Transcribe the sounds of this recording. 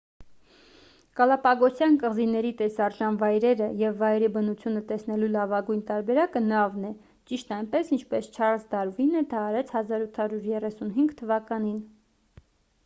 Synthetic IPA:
kɑlɑpɑɡɔsjɑnkəʁzinɛɾit̪ɛsɑɾʒɑnvɑjɾɛɾəjɛvːɑjɾibənut͡sʰjunət̪ɛsnɛlulɑvɑɡujnt̪ɑɾbɛɾɑkənɑvnɛ | t͡ʃiʃt̪ɑjnpɛsint͡ʃʰpɛst͡ʃʰɑɾsd̪ɑɾvinɛd̪ʰɑːɾɛt͡sʰhɑzɑɾut̪ʰhɑɾjuɾjɛrɛsunɦiŋɡt̪ʰːəvɑkɑnin

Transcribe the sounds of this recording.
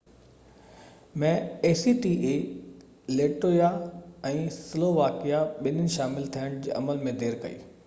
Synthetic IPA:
mɛ̃eːsiʈiʔe | leːʈoːjaɛ̃ːsɪloːʋaːkijaɓɪnɪnɪ̆ʃaːmɪlt̪ʰiəɽ̃d͡ʑeːʔɐ̰məlmẽd̪ʱeːɾkɐ̰ḭː

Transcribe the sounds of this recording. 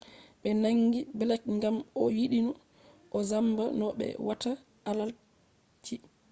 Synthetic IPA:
ɓɛnaŋɡibɛlɛk̚ŋɡamɔwiɗinu | ʔɔzambanɔɓɛ̰wata | alal | t͡ʃi

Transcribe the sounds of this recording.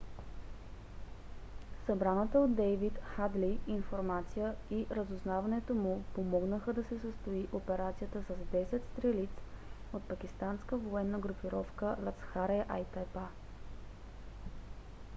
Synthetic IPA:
sɐbɾanət̪əod̪ːɛjvit̪xad̪liinfoɾmat̪sijəiɾəzʊznavɐnɛt̪omupomɔɡnəxəd̪ɐsɛsəst̪oiʔopɛɾat̪sijət̪əsɐzd̪ɛsɛt̪st̪ɾɛlit̪sot̪̚pɐk̟ist̪anskəvoɛnːəɡɾupiɾɔfkəlat̪sxaɾɛʔajt̪ɛpa

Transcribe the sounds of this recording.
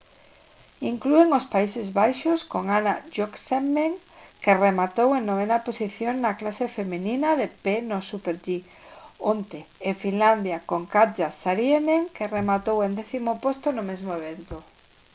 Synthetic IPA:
iŋklueŋospaisɪzβajʃoskoŋanaʒoksemːeŋkeremat̪oweŋnoβ̞enaposiθjoŋnaklasefemininaðepenosupeɾʎi | ont̪eːfinland̪jakoŋkat̪d͡ʒasaɾjeneŋkeremat̪owẽnd̪eθimopost̪onʊmezmoeβ̞ent̪o

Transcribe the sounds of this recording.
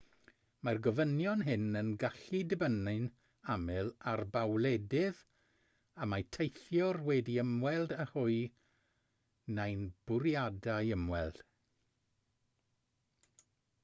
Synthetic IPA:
marɡɔvənjɔnɦɪnənɡaɬidəbənɪn | amɪlˠarbawlˠɛdɪð | amajtʰejθjɔrwɛdiəmwɛlˠdahʊɨ | najnb̥ʊɾjadajəmwɛlˠd̥

